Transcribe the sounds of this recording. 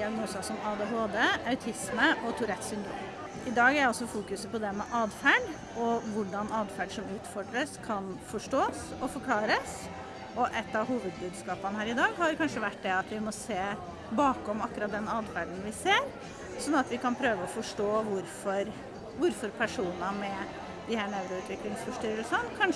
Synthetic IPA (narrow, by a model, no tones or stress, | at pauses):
d̪ɪɑɡnuːsɑsɔmɑːd̪eːɦoːd̪eːɑʉt̪ʰɪsməʔɔt̪ʰʊɾɛt̪sʏnd̪ɾṵːm | ɪd̪ɑːɡæɾɔsːɔfuːkʉsəpɔd̪ɛmɛʔɑːd̪fæɖ | ɔʋʊɖɑnɑːd̪fæɖʂɔmʉːt̪fɔɖɾəskʰɑnfɔʂʈoːs | ɔfɔɾkʰlɑːɾəs | ɔʔɛt̪ːɑɦuːʋəd̪̚bʉːd̪skɑːpənəhæːɾɪd̪ɑːɡhɑɾkʰɑnʂəʋæʈːd̪ɛɑt̪ʋɪmɔseː | bɑːkɔmɑkːʉɾɑt̪̚d̪ɛnɑːd̪fæɖn̩ʋɪseːɾ | sɔnːɑt̪ʋɪkɑnpʰɾøːʋəɔfɔʂʈoːʋʊɾfɔɾ | ʋʊɾfɔɾpʰæʂuːnəmɛ | d̪ɪhæːɳæʉɾʊʉːt̪ʋɪklɪŋsfɔʂʈ̪yːɾəɾəsɔnːkʰɑn